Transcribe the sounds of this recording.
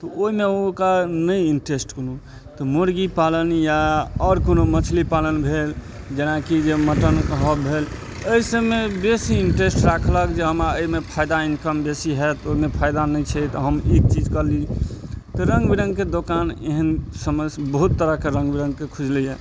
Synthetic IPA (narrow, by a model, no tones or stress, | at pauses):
t̪ɔoimeokanəjiɳʈɾesʈkonu | t̪ɔmoɾɡipalənjaɔɾkonomət͡ʃʰlipalənbʱel | d͡ʒenakid͡ʒeməʈənɦəbʱel | əisə̃mebesiːɳʈɾesʈɾakʰləkd͡ʒeɦəmɾaəimepʰajd̪ainkəmbesiɦɛt̪oimepʰajd̪anəjt͡ʃʰɛt̪ɔɦəmik̚t͡ʃid͡ʒkəɾli | t̪ɔɾə̃ŋɡbiɾə̃ŋɡked̪okaneɦənsəməsbəɦut̪ːəɾəkeɾə̃ŋɡbiɾə̃ŋɡkekʰud͡ʒlijɛ